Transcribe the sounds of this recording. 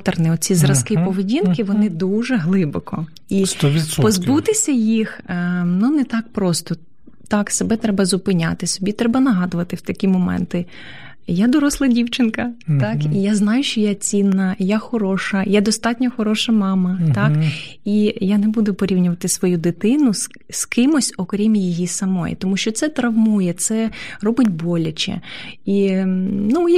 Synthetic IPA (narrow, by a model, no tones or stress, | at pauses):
t̪ɐrnɪɔt͡sʲizɾɐskɪpɔʋedʲinkɪʋɔnɪd̪uʒɛɦlˠɪbɔkɔ | ipɔzbut̪ɪsʲɐjixnunɛt̪ɑk̚pɾɔst̪ɔ | t̪ɑksebɛt̪ɾɛbɐzʊpɪnʲa̰t̪ɪsɔbʲit̪ɾɛbɐnɐɦɑd̪ʊʋɐt̪ɪwt̪ɐkʲimɔmɛ̰nt̪ɪ | jad̪ɔɾɔslˠɐdʲiwt͡ʃɪnkɐɑkijaznɑjʊʃt͡ʃɔjat͡sʲinːɐjaxɔɾɔʃɐjad̪ɔst̪ɑtʲnʲɔxɔɾɔʃɐmɑmɐt̪ɑkijanebud̪ʊpɔɾʲiwnʲʊʋɐt̪ɪsʋɔjud̪ɪt̪ɪnʊ | skɪmɔsʲɔkɾʲimjijisɐmɔjḭt̪ɔmuʃt͡ʃɔt̪sɛt̪ɾɐʋmujɛt̪sɛrɔbɪtʲbɔlʲɐt͡ʃɛ̰i | nuj